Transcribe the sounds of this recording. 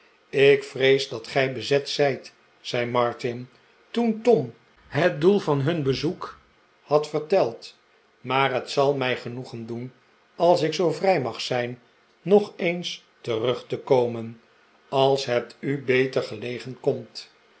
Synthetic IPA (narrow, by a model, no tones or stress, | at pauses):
ɪkfrejzdɑtχɛjbəzɛtsɛjt | sɛjmɑɹtɪn | tuntɔm | ɦət̚dulˠvɑnɦɵnbəzuk | hɑtfəɹtɛlˠt | maːɹɦətsɑlˠmɛjχənuχəndun | ɑlˠsɪksowvrɛjmɑχsɛjnː | ɔχejns | tərɵχtəkowmən | ɑlˠsɦɛp̚tybejtəɹχəlejχənkɔmt